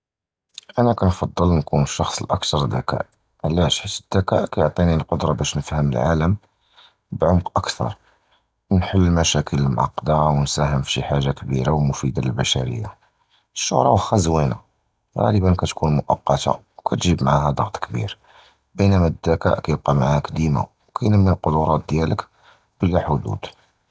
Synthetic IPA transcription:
ʔænækænfɑd̪ˤːəlnkunəʃːɑxsˤəlʔə̰kt̪ɑɾˤəd̪ːækæ̰ʔ | ʕlæʃħit̪əd̪̥ːækæʔkæjoʕt̪ˤinilqod̪ɾˤɑbæʃnəfhəmə̰lʕa̰ləm | bʕʊmqʔəkt̪ʰɑ̰ɾˤ | nħəlːmæʃækʰələlmʕɑ̰qːd̪awənsæɦəmfʃiħaʒːakbiɾawmʊfid̪aləlbæʃæɾə̰jːa | əʃːʊ̰hɾˤɑwxæzwina̰ | ɣɑ̰ləbənkæt̪kʰunmʊʔɑqːɑt̪a̰ | wkʰæt̪ʒibmaʕahæd̪ˤɑɣt̪ˤkbḭɾ | bənæmæd̪ːækæ̰ʔkæjəb̚qɑmaʕahækd̪ima̰ | wkʰæjnəmːilqod̪ʊɾˤɑt̪̚d̪jælək | b̥əlːæħʊd̪ṵd̪̥

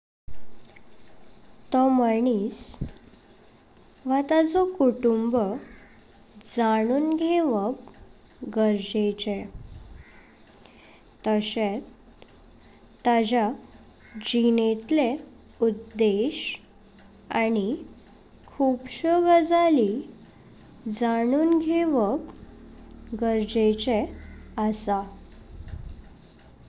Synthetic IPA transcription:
t̪ɔməɳis | ʋat̪ad͡zɔkuʈumbə | d͡zaɽ̃uːnɡʱeʋək | ɡəɾd͡ʑet͡ɕɛ | t̪əɕet̪ | t̪ːad͡ʑa | d͡ʑinet̪le | ud̪eɕ | ani | kʰupɕəɡəd͡zali | d͡zaɽ̃uːnɡʱeʋək | ɡəɾd͡ʑet͡ɕɛəsa

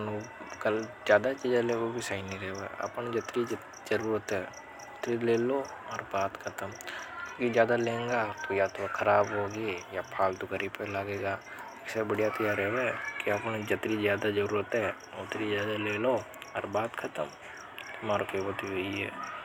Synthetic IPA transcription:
nkəlzjaːd̪at͡ʃid͡ʒaleːɡobʱisaːɪniɾɛɦḛɐ̰pnd͡ʒɐt̪ɾi | d͡ʒɐɾuːɾət̪ɦɛː | ʊt̪ɾileːloɔːɾbaːt̪kʰɐt̪əmkõːkizjaːd̪alẽːŋɡat̪ojat̪okʰɐɾaːbɦoːɡejapʰaːlt̪ʊkəɾipelaːɡeːɡaː | ɪksabəɽijat̪ɐjaɾɛɦʋekiɐpnd͡ʒɐt̪ɾizjaːd̪ad͡ʒəɾuːɾət̪ɦɛ | ʊt̪ɾizjaːd̪aleːlo | ɔ̰ːɾbaːt̪kʰɐt̪əm | tmaːɾokebət̪iɦoiɦɛ̰ː

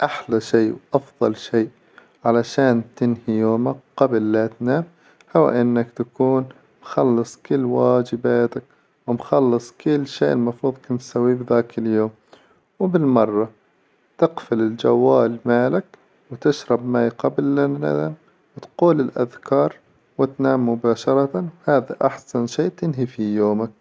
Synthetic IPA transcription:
ʔaħlaʃiːwʔɑfðˤɑlʃeːʔ | ʕalaʃaːnt̪ɪnhijoːmakqɑbɪlːat̪naːm | hawa̰ʔɪnːakt̪akuːn | mxɑlːɨsˤkɪlːwaːd͡ʒɪbaːt̪ak̚ | wɪmxɑlːɨsˤkɪlːʃeːʔɪlmɑfɾuːðˤkʊnt̪sawːibðaːkɪljoːm | wɪbɪlmɑrˤːɑ | t̪ɪqfɪlɪld͡ʒa̰wːaːlmaːlak | wt̪ɪʃɾˤɑbmaːjqɑblːana̰am | wɪt̪quːlɪlʔa̰ðkɑːɾˤ | wɪt̪naːmːʊbaːʃɑɾˤɑt̪awhaːðaʔaħsanʃeːʔt̪ɪnɦifijoːmak̚

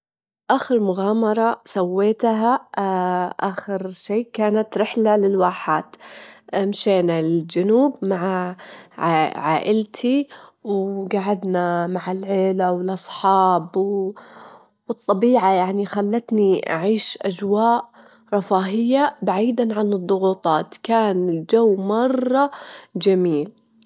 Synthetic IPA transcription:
ʔaːxɪɾmʊɣaːmɑɾˤɑsawːeːt̪ɦa | ʔaːxɪɾʃeːkaːnat̪ɾɪħlalɪlwaːħaːt̪ | mʃeːnad͡ʒʊnuːbmaʕaʕʕaːʔɪlt̪ʰiwɡaʕad̪namaʕalʕeːlawɪlʔɑsˤħɑːbw | wɨt̪ˤːɑbiːʕajaʕnixalːat̪niʔa̰ʕiːʃʔad͡ʒwaːʔ | ɾˤɑfaːɦɪjːabaʕiːd̪aʕanɨd̪ˤːʊɣuːt̪ˤɑːt̪kaːnɪld͡ʒawːmɑrˤːɑd͡ʒamiːl

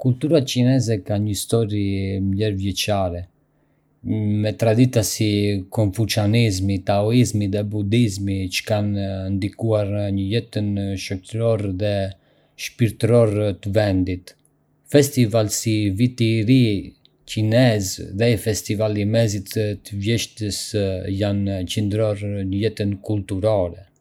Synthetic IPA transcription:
kult̪uɾacinɛzɛkaɲəist̪ɔɾimlɛɾvjɛt͡ʃaɾɛ | mɛt̪ɾad̪it̪asikɔɱfut͡ʃanizmit̪aɔizmiðɛbud̪izmit͡ʃə̥kannd̪ikuaɾɲəlɛt̪ənʃɔt̪əɾɔɾðɛ | ʃpiɾt̪əɾɔɾt̪əvɛnd̪it̪ | fɛst̪ivalsivit̪iɾi | cinɛzðɛfɛst̪ivalimɛzit̪t̪əvjɛʃt̪əsjant͡ʃənd̪ɾɔɾɲəjɛt̪ənkult̪uɾɔɾɛ

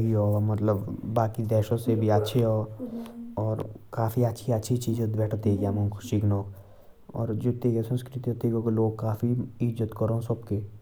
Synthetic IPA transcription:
ɦiɦɔːmət̪ləbːaːkid̪ɛːʃõsebʱiətːʃʰeɦɔː | ɔːɾkaːfʰiətːʃʰiətːʃʰit͡ʃiːd͡ʒod̪ʋɛːʈʰt̪eɡjamõkʰʊʃiknɔːk | ɔ̰ːɾd͡ʒɪt̪ːeɡesə̃nskɾɪt̪iɦot̪eɡokeloːɡ̚kaːfʰiɪd͡ʒət̪kəɾõɦsəbke

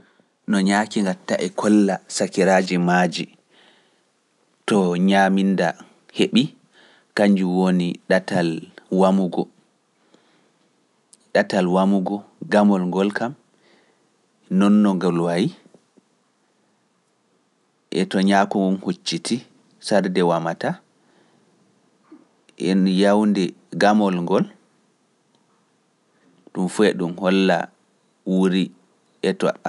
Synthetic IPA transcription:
nɔɲaːkiŋɡatːaʔɛkʰɔlːasakiɾad͡ʒimad͡ʒi | tɔɲaminda | heɓi | kaɲd͡ʒuwoniɗatalwamuɡɔ | ɗatalwamuɡɔɡamɔlŋɡɔlkam | nɔnːɔŋɡalwaji | ʔɛtɔɲakuumhot͡ʃːitʰi | saɾdɛwamata | ʔɛnjawndɛ | ɡamɔlŋɡɔl | ɗumfuɛɗumhɔlːa̰ | wuɾi | ʔɛtɔ̰

